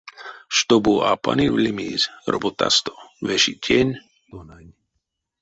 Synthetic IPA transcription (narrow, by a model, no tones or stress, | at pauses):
ʃt̪obuʔapa̰nivlʲimizɾobot̪a̰st̪o̥veʃitʰʲenʲ